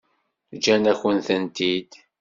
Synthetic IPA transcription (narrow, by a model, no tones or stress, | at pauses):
d͡ʒænæçənθənt̪id̪